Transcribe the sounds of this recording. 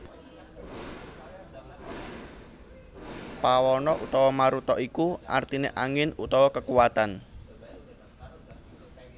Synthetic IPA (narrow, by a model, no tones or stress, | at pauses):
pawɔnɔʔut̪ɔwɔmaɾut̪ɔʔikuʔart̪ineʔaŋɪnut̪ɔwɔkəkuwat̪an